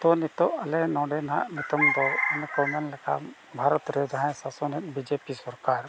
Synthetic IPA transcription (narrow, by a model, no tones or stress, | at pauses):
t̪onit̪ɔɐlɛnɔ̃ːɖenɦa̰ʔnit̪əmd̪ɔɛnkɔmɛnlɛka̰ | bʱaːɾɔt̪ɾed̪ɦãsasɔnit̪̚bid͡ʒepisɔɾkaɾ